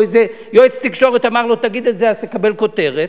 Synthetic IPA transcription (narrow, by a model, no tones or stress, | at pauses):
eze | joet͡st̪ikʃo̞ʁet̪amaʁlot̪aɡid̪elzeazt̪ekabe̞lko̞t̪eʁet̪